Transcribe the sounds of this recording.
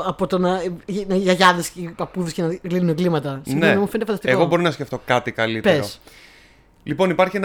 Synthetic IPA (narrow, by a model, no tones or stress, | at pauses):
ɐpo̞t̪onɐnɐʝɐʝɐðescepɐpuðescenɐɣlinuneɡlimɐt̪ɐsimneenɐmufend̪efɐnd̪ɐst̪eoɣo̞bo̞ɾinɐsceft̪o̞kɐt̪ikɐlitpeɾos | lipo̞nipɐɾçien